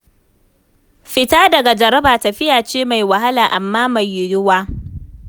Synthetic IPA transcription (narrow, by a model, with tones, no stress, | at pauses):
ɸɪ˨taː˦dɐ˨ɡa˨d͡ʒɐ˨ɾɐ˦baː˨tɐ˨ɸɪ˦jaː˨t͡ʃeː˦ma˨jwa˨ɦa˦laː˨ʔa˨mːaː˦ma˨jːʊ˨jʊ˦waː˦